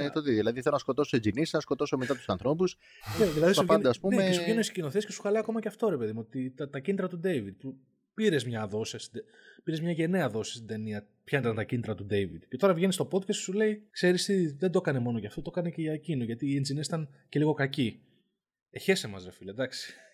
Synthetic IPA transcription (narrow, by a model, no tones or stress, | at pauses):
t̪ot̪iðilɐðiθelonɐsko̞t̪o̞soed͡ʒinisnɐsko̞t̪o̞somet̪ɐt̪usɐnθɾo̞pus | neðilɐðisɐuvɐend̪ɐːspumeeesuenesi̥cino̞θiescesu̥xɐlɐjɐko̞mɐceɐft̪o̞ɾe̞pe̞ðimuot̪it̪ɐt̪ɐcinit̪ɾɐt̪ud̪e̞jvid̪̚pu | piɾezmɲɐðo̞siɐst̪id̪e | piɾe̞zmɲɐʝe̞ne̞ɐðo̞si̥st̪id̪e̞niɐ | pçɐnt̪ɐnt̪ɐcinit̪ɾɐt̪ud̪e̞jvid̪ce̞t̪o̞ɾɐvʝe̞nist̪o̞po̞d̪kɐst̪sule̞ikse̞ɾist̪iðe̞nd̪o̞kɐne̞mo̞noʝɐft̪ot̪okɐneceʝɐcinoʝɐt̪iːend͡zinisit̪ɐnce̞liɣo̞kɐci | eçe̞semɐzɾɐfiliɐd̪ɐksi̥